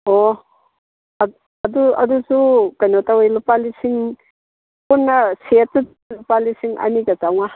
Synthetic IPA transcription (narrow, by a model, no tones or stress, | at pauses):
o | ɐduɐ̰dusukajnotawojlupalisiŋ | punːɐset̚ːu | lupalisiŋɐ̰niɡɐtawŋa